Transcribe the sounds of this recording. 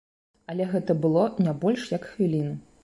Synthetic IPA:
ɐlʲɛɣɛt̪ɐbɨlˠɔnʲabɔlʲʂjɐkxvʲilʲinɨ

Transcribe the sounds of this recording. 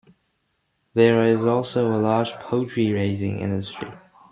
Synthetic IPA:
ðə˞ɪzɔlˠsoʊəlɑːd͡ʒ̥pʰoʊtʰɹ̥iɹeɪzɪ̰̃ŋɪ̰̃ndəstɹ̥ḭ

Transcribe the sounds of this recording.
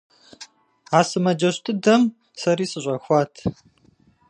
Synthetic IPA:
aːsɨmɐd͡ʒɐɕtʰɨdɐm | sɐɾiːsɨɕʷʼɐxʷɑːtʰ

